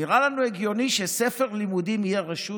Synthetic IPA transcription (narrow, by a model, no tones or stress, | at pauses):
iʁalanueɡjo̞niʃesefe̞ʁlimud̪imijeʁeʃu